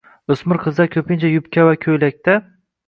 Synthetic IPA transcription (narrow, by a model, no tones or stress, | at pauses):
ɵsmɪɾqʰɨzd̪akʲʰɵpʰɪnt͡ʃʰajʊpkʲavakʲʰɵjlak̚ʲt̪ʰa